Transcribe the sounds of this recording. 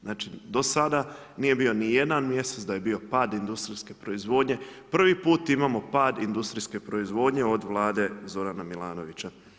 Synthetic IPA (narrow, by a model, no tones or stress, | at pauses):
znaːt͡ʃid̪o̞sad̪a | niːje̞bio̞nije̞d̪anmje̞set̪d̪aje̞biːo̞paːd̪ind̪ust̪ɾiske̞pɾo̞izʋo̞ːd̪ɲe̞pr̩ʋipuːt̪imamo̞paːd̪ind̪ust̪ɾiske̞pɾo̞izʋo̞d̪ɲe̞o̞d̪ʋlˠaːd̪e̞zo̞ɾanamilˠaːno̞ʋit͡ɕa